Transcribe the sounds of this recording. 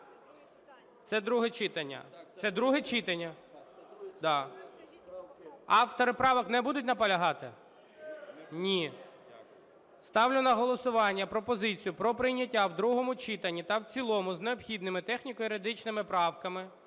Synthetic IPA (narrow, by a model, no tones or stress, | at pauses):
t̪sɛd̪ɾuɦɛt͡ʃɪt̪ɐnʲːɐ̰t̪sɛd̪ɾuɦɛt͡ʃit̪ɐnʲːɐ | d̪ɑ | ɑft̪ɔɾɪpɾɑʋɐknɛbud̪ʊtʲnɐpɐlʲɐɦɑt̪ɪ | nʲi | st̪ɑwlʲʊnɐɦɔlˠɔsʊʋɑnʲːɐpɾɔpɔzɪt͡sʲijʊpɾɔpɾɪjnʲɐtʲːawd̪ɾuɦɔmʊt͡ʃit̪ɐnʲːit̪ɐwt͡sʲilˠɔmʊzneɔpxʲid̪nɪmɪt̪ɛxnʲikɔjɾed̪ɪt͡ʃnɪmɪpɾɑwkɐmɪ